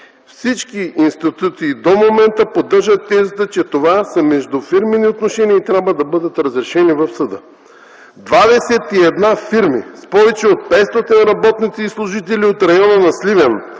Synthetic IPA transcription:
fsit͡ʃkiinst̪it̪ut̪siːd̪omomɛnt̪əpod̪əɾʒɐt̪ːɛzit̪ət͡ʃɛt̪ovasɐmɛʒd̪ufiɾmɛniot̪noʃɛniəit̪ɾʲabvəd̪ɐbɤd̪ət̪ɾɐzɾɛʃɛnivɐfsɐd̪ə | d̪vad̪ɛsɛt̪iɛd̪nafiɾmispɔvɛt͡ʃɛot̪̚pɛst̪ot̪ɛnɾɐbɔt̪nit̪siːslˠʊʒit̪ɛliot̪ɾɐjɔnənɐslivɛn

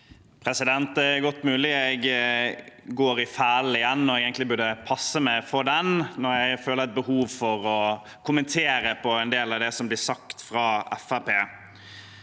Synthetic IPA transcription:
pʰɾɛsɪd̪ɛnt̪ɛɡɔt̪ːmʉːlɪɛɡ | ɡoːɾɪfæːlɪjɛnːɔɾɛɡɛːŋk̪lɪbʉdɖəpʰɑsːəmɛfɔɾd̪ɛnnɔɾjæɪføːləɾæt̪̚bəhuːʋfɔɾɔ | kʰʊmənt̪ʰeːɾəpʰɔɛnd̪eːlɑʋd̪ɛsɔmblɪsɑkt̪fɾɑːɛ̰fæpeː

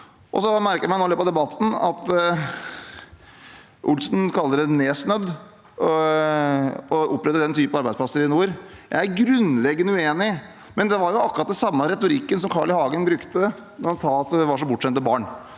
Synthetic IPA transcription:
ʔɔsɔmæɾkəjæmæɪnoːɪløːpɑd̪ɛbɑt̪ːn̩ɑ̰t̪ | ʔʊlsnkʰɑlːəɾəneːsnøːd̪ | ɔʔʊpːɾɛt̪ːəd̪ɛnt̪ʰyːpənɑɾbæɪsplɑsəɾɪnuːɾjæɪæɾɡɾʉnlɛɡːənʉeːnɪ | mɛnd̪ɛʋɑɾjʊɑkːɾɑt̪̚d̪ɛnsɑmːəɾɛt̪ʊɾɪkːəns̬ɔmkʰɑːɭɪhɑːɡənbɾʉkt̪ə | d̪ɑɾhɑnsɑːɑt̪d̪ɛʋɑʂɔbʊʈːʂɛnt̪məbɑːɳ

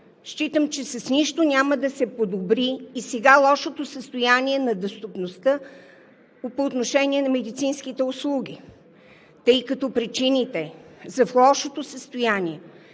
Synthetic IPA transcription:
ʃt͡ʃit̪əmt͡ʃɛsɐsniʃt̪onʲaməd̪ɐsɛpod̪obɾiːsɛɡalˠɔʃot̪osəst̪ojaniɛnɐd̪ost̪opnost̪ə | poːt̪noʃɛniɛnɐmɛd̪it̪sinsk̟it̪ɛʊslˠuɡ̟ʲi | t̪ɤjkɐt̪ɔpɾit͡ʃinit̪ɛzɐflˠɔʃot̪osəst̪ojaniɛ

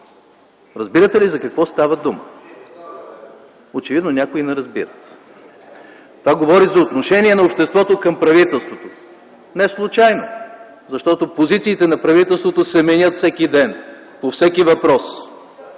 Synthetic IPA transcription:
ɾɐzbiɾət̪ɛlizɐkɐkvɔst̪avɐd̪umə | ot͡ʃɛvid̪nonʲakʊinɛɾɐzbiɾət̪ | t̪ovaɡovɔɾizɐot̪noʃɛniɛnɐopʃt̪ɛst̪vɔt̪okɐmpɾɐvit̪ɛlˠst̪vot̪o | nɛslˠʊt͡ʃajno | zɐʃt̪ɔt̪opozit̪siːt̪ɛnɐpɾɐvit̪ɛlˠst̪vot̪osɛmɛnʲət̪fsɛkid̪ɛn | pofsɛkivɐpɾɔs

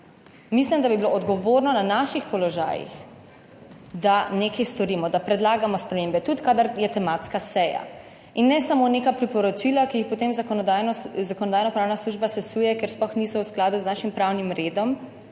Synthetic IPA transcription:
mislimd̪abibiloʔɔd̪ɡɔʋoɾnɔnanaʃixpɔlɔʒa̰ːjḭx | d̪anekajst̪ɔɾiːmɔd̪apɾɛd̪laːɡamɔspɾɛmembɛt̪ut̪kad̪aɾjɛt̪ɛmaːt̪skasɛja̰ | inːɛsamonekapɾipɔɾɔt͡ʃilakijixpot̪emzaɔazakɔnɔd̪aːjnɔpɾaːwnasluʒbasɛsuːjɛkɛɾsplɔxniːsɔwsklaːd̪uznaʃimpɾawnimɾeːd̪ɔm

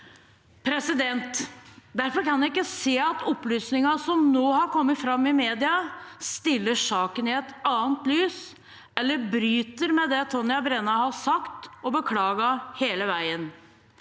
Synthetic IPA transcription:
pʰɾɛsɪd̪ɛnt̪d̪æɾfɔɾkɑnjæɪkːəseːɑt̪ɔpːlyːsnɪŋɑsɔmnoːhɑɾkʰɔmːət̪fɾɑmːɪmeːd̪ɪɑst̪ɪlːəʂɑːkənɪɛt̪ɑːənt̪lyːs | ɛlːəɾbɾyːt̪əɾmɛd̪ɛt̪ʰɔnːɪɑbɾɛnɑhɑsɑkt̪ɔbəkʰlɑːɡɑheːləʋæɪən

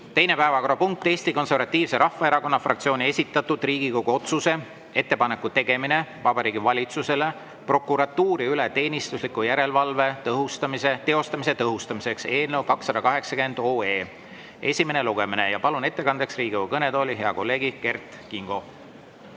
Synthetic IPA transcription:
t̪e̞jne̞pæevɑko̞ɾɑpuŋk̚t̪ːˑe̞ːst̪iko̞nse̞rvɑt̪ːˑiːvse̞ɾʔɑhfːɑe̞ɾɑko̞nːɑfrɑ̰k̚t̪sio̞ːnʲie̞sʲit̪ːˑɑt̪ːˑud̪̥riːɡ̥iko̞ɡuo̞t̪suse̞ | e̞t̪ːepɑne̞kːˑut̪e̞ɡ̥e̞mine̞vɑbɑɾiːɡivɑlʲit̪suse̞le̞ | pro̞kːˑuɾɑt̪ːuːɾiylet̪e̞ːnist̪uslikːujæɾe̞lvɑlve̞t̪ɤɦust̪ɑmiset̪e̞o̞st̪ɑmis̬e̞t̪ɤɦust̪ɑmise̞kse̞ːlnewkɑksːɑd̪̥ɑkɑɦe̞ksɑkend̪o̞ːe̞ː | e̞sʲimene̞luɡ̥e̞mine̞jɑpɑlune̞t̪ːe̞kɑnd̪e̞ksriːɡ̥iokɤne̞d̪o̞ːlʲiɦe̞ɑko̞lːe̞ːɡike̞rt̪ˑ | kiŋɡ̥o̞

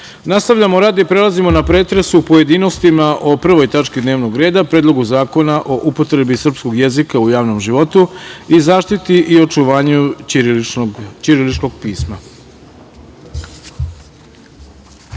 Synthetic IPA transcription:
nast̪aʋʎamoɾaːd̪ipɾe̞lˠazimo̞napɾeːt̪ɾe̞supoje̞d̪ino̞st̪imaʔo̞pr̩ʋo̞jt̪at͡ʃkid̪ne̞ːʋno̞ɡɾe̞ːd̪apɾeːd̪lˠo̞ɡuzaːko̞naʔo̞ʔupo̞t̪ɾe̞bisr̩psko̞ɡje̞zikaujaːʋno̞mʒiʋo̞t̪uizaːʃt̪it̪iʔio̞t͡ʃuʋaːɲu | t͡ʃiɾilit͡ʃko̞ɡ̚piːsma

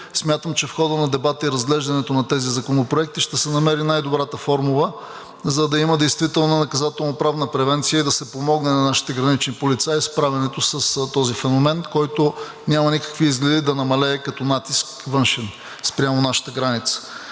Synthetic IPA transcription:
smʲjat̪əmt͡ʃɛfxɔd̪ənɐd̪ɛbat̪əiɾɐzɡlɛʒd̪ɐnɛt̪onɐt̪ɛzizɐkonopɾoɛk̚t̪iʃt̪ɛsɛnɐmɛɾinajd̪obɾat̪əfɔɾmulˠə | zɐd̪ɐiməd̪ɛjst̪vit̪ɛlˠnənɐkɐzat̪ɛlˠnopɾavnəpɾɛvɛnt̪sijəid̪ɐsɛpomɔɡnɛnɐnaʃi̥t̪ɛɡɾɐnit͡ʃnipolit̪saispɾavʲɛnɛt̪osəst̪ɔzifɛnomɛnkɔjt̪o | nʲamɐnikə̥kviizɡlɛd̪id̪ɐnɐmɐlɛːkɐt̪ɔnat̪iskvɤnʃɛn | spɾʲamonaʃə̥t̪əɡɾanit̪sə̥

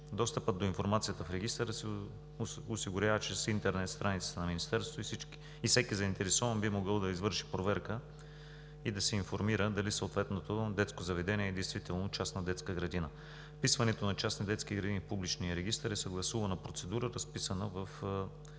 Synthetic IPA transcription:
d̪ɔst̪əpət̪̚d̪oinfoɾmat̪sijət̪əfɾɛɡist̪əɾəsɛ | osiɡʊɾʲavət͡ʃɛsint̪ɛɾnɛt̪st̪ɾanit̪sə̥t̪ənɐminist̪ɛɾst̪voisik | ifsɛkizɐint̪ɛɾɛsɔvɐnbimoɡɤlˠd̪ɐizvɤɾʃi̥pɾovɛɾkə | id̪ɐsɛinfoɾmiɾəd̪ɐlisoot̪vɛt̪not̪od̪ɛt̪skozɐvɛd̪ɛniɛːd̪ɛjst̪vit̪ɛlˠnot͡ʃasnɐd̪ɛt̪skəɡɾɐd̪inə | pisvɐnɛt̪onɐt͡ʃasnid̪ɛt̪skiɡɾɐd̪inifpublit͡ʃnijəɾɛɡʲist̪əɾɛsəɡlˠɐsuvɐnɐpɾot̪sɛd̪uɾəɾɐspisənəvəf

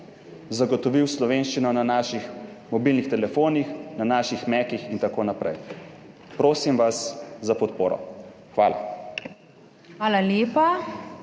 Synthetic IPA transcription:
zaɡɔt̪ɔʋiwslɔʋenʃt͡ʃinɔnanaːʃixmɔbilnixt̪ɛlɛfoːnixnanaːʃixmɛkixint̪akoːnapɾɛ̰j | pɾoːsimʋaszapɔt̪poːɾɔ̰ | xʋaːla̰ | xʋaːlaljeːpa

